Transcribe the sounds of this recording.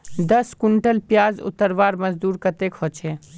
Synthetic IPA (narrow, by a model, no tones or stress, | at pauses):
d̪əskuɳʈəlpjaːzʊ̰t̪ːəɾʋaɾməd͡ʒd̪uːɾkət̪ekɦot͡ʃʰɛ